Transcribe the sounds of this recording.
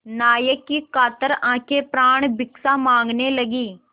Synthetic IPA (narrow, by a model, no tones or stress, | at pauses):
naːjəkːikaːt̪əɾãːkʰepɾaːɳ̃bɪksamãːŋɡnelɐɡiː